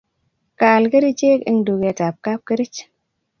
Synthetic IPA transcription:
ka˨lke˦ɾi˦t͡ʃe˦kḭ˦ŋdu˨ɡe˨ta˨p̚ka˦p̚kə˦ɾi˦t͡ʃ

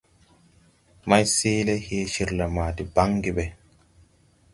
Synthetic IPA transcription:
ma˦jseː˦le˦heː˦ʃi˨ɾla˨maː˨di˨ba˦ŋɡi˦˨be˨

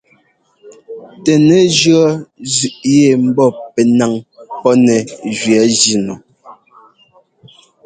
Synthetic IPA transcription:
tɛ˨nɛ˨˦d͡ʒɰɔ˦zʉ˨ʔje˦˨m̩˦bɔ˦˨pɛ˨na˨ŋpɔ˦nɛ˨d͡ʒɥɛ˨˦d͡ʒi˦˨nɔ˨

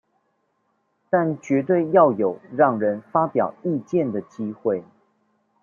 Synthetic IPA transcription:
t̪a˥˨nt͡ɕɥɛ˧˥t̪̬we˥˧ɪjɑ˥˩ʊjo˨˩ʊɻɑ˥˩ŋɻə˨˧˦nfa˥pjɑ˨˩ʊi˥˧t͡ɕjɛ˥˨nd̪ə˩t͡ɕi˦˥xwe˥˩ɪ

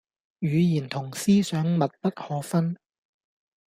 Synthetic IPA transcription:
jyː˨˧jiː˨˩nt̪ʰʊ˨˩ŋsiː˥sœː˨˥ŋmɐ˨t̚pɐ˥t̚hɔː˨˧˥fɐ˥n

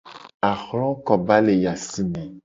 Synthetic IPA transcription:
a˨xɾɔ̃˦kɔ˨ba˦le˨ja˨si˦mɛ̃˨

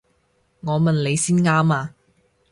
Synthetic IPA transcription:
ŋɔː˨˧mɐ˨nle˨˧jsiː˥nŋaː˥maː˧

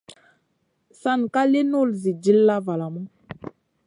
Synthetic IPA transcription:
sa˦˨n˨ka˦le˦no˦˨lzi˨d͡ʒi˦lːa˦va˨la˨mu˦

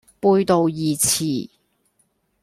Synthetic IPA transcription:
puː˧jt̪o˨˧wjiː˨t͡sʰiː˨˩

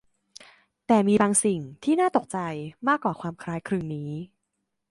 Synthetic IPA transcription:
t̪ɛː˨˩miː˧baː˧ŋsi˨˩ŋt̪ʰiː˥˩naː˥˩t̪o˨˩k̚t͡ɕa˧jmaː˥˩kːwaː˨˩kʰwaː˧mkʰɾaː˦˥jkʰɾɯː˧ŋniː˦˥

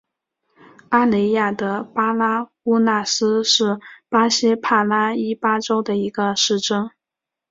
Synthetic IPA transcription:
a˥le˧˥ɪja˥˩d̪ə˩˦pa˥la˥xu˥na˥˩sɹ̩˥ʂɻ̩˥˩pa˥ɕɛ˥pʰa˥˩la˥i˥pa˥ʈ͡ʂo˥ʊd̪ə˨i˧˥ɡə˧ʂɻ̩˥˩ʈ͡ʂɤ˥ŋ

